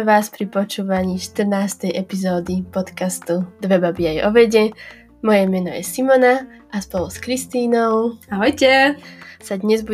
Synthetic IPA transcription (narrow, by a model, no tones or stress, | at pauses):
ʋaːspɾipɔt͡ʃuːʋaɲiːʃt̪r̩naːst̪ɛjʔɛpizɔːd̪ipɔt̪kast̪ud̪ʋɛbabiajɔ̰ʋɛɟɛ | mɔjɛmɛnɔjɛ̰simɔnaʔaspɔluskɾist̪iːnɔʊaɦɔjcɛsad̪ɲɛzbu